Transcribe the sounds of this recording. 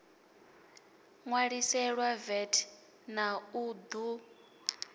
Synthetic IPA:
ŋwaɺisɛɺwavɛtʰ | naud̪u

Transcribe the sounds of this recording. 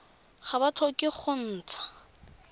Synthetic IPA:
χabat͡ɬʰɔkʼɪχʰʊn̩ːt͡sʰḁ

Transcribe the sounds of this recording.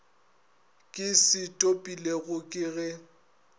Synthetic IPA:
kʼɪsɪtʼopʼileɣʊkʼɪɣɛ

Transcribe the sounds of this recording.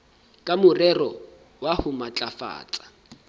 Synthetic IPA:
kʼamʊrɛrɔ | wahʊmat͡ɬʼafa̰ːt͡sʼḁ

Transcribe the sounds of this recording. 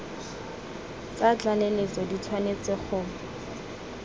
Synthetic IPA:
t͡sat͡ɬalelet͡sɔditʰwanet͡sɪχʊ

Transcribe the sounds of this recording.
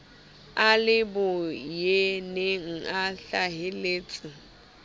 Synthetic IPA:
alɪbʊjeneŋ̩aɬaɦɪleːt͡sʼɪ

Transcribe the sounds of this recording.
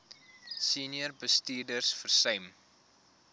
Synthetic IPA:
siniərbəstiːrdərsfərsœɥm

